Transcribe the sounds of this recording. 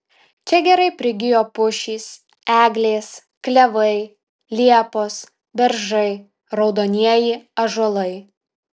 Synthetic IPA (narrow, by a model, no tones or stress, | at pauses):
t͡ʃʲɛɡʲɛɾɐɪpʲɾʲɪɡʲɪjoːpʊʃʲiːs | æːɡlʲeːs | klʲɛʋɐɪ | lʲiɛpoːs | bʲɛɾʒɐɪ | ɾɒʊd̪oːnʲiɛjɪɐʒolˠɐɪ